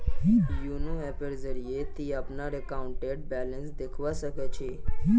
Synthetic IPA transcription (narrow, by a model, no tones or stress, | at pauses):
junuɛpeɾd͡zəɾijet̪iːapnaɾekauɳʈeɽ̚bælənsd̪ekʰʋasəkat͡ɕe